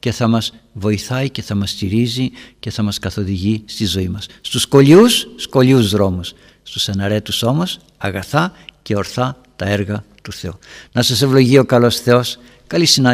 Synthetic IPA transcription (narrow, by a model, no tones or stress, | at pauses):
ce̞θɐmɐzvo̞iθɐice̞θɐmɐst̪iɾizice̞θɐmɐskɐθo̞ðiʝist̪izo̞imɐsːt̪usko̞liusːko̞liuzðɾo̞musː | t̪usɐnɐɾe̞t̪uso̞mo̞s | ɐɣɐθɐce̞o̞ɾθɐ | t̪ɐe̞ɾɣɐt̪uθe̞unɐsɐse̞vlo̞ʝio̞kɐlo̞sθe̞o̞s | kɐlisinɐ